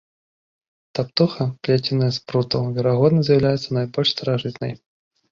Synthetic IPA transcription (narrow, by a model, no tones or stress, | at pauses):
t̪ap̚t̪uxɐplʲatʲɪnːəjəspɾut̪əvʲɛɾaɣɔd̪nəzjɪwlʲajɪt̪sːənɐjbɔlʲʂst̪əɾaʐɨt̪nə̰j